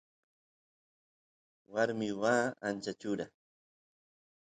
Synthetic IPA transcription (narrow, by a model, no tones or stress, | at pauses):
waɾmɪwaːant͡ʃat͡ʃʊɾa